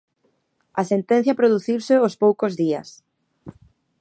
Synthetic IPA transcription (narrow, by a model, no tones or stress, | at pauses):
ɐsent̪ɛ̃n̟θjɐpɾoðuθiwsɪospowkozðiɐ̰s